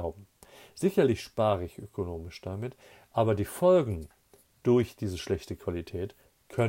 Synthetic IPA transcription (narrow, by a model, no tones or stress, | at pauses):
ʊbm̩ | z̥ɪçɐlɪçʃpaːʁəɪçʔøkʰonoːmɪʃd̥amɪt | ʔaːbɐdiːfɔlɡŋ̩ | d̥ʊɐçd̥iːzəʃlɛçtəkv̥alitʰɛːt | kʰœn